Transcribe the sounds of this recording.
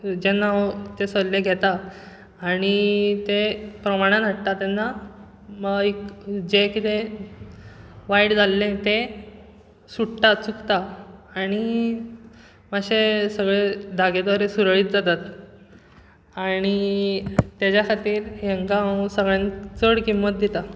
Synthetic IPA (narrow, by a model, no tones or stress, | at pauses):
d͡ʑɛnːat̪esəlleɡʱɛt̪aː | ɽ̃it̪epɾəmaɽ̃ãnəʈt̪at̪enːa | məɡikd͡ʑekit̪e | ʋaiɽd͡zalːẽt̪e | suɽt̪at͡sukt̪aːɽ̃i | maɕesəɡɭed̪ʱaɡed̪ʋaɾesuɾɭiːt̪̚d͡zat̪at̪ | aɽ̃i | t̪jat͡ɕjakʰat̪iːɾɦeŋkasəɡɭjãnt͡səɽkimːət̪̚d̪it̪a